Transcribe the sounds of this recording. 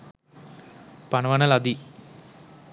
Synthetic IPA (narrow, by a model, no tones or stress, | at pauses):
pɐnɐʋɐnɐlɐd̪i